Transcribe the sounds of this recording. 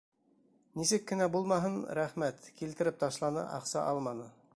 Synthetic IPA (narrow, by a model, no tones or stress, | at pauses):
nisɘkːɘ̆næbulˠmɑɦɤnɾæχmæt̪kilt̪ɘ̆ɾɘp̚t̪ɑʃlˠɑnɤ̰ʔɑ̰qsɑ̰ʔɑlˠmɑnɤ